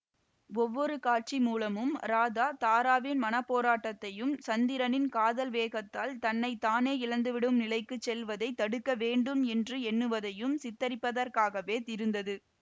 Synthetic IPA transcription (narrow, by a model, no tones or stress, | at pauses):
ɔʋːɔɾɯkaːʈ̚t͡ʃimuːlɐmɯmɾaːðaːt̪aːɾaːʋɪnmɐnɐpːoːɾaːʈːɐt̪ːɐjɯmsɐnd̪ɪɾɐnɪnkaːðɐlʋeːɣɐt̪ːaːlt̪ɐnːɐɪt̪aːneːɪɻɐnd̪ɯʋɪɽɯmnɪlɐɪkːɯt͡ʃsɛlʋɐðɐɪt̪ːɐɽɯkːɐʋeːɳɖɯmɛndrɯɛnːɯʋɐðɐjɯmsɪt̪ːɐɾɪpːɐðɐɾkaːɣɐʋeːt̪ɪɾɯnd̪ɐðɯ